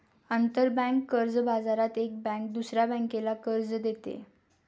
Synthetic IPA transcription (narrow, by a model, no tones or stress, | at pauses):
ənt̪əɾbɛ̃kːəɾd͡zbad͡zaɾat̪ek̚bɛ̃kd̪usɾjabɛ̃ŋkelakəɾd͡zd̪et̪ḛ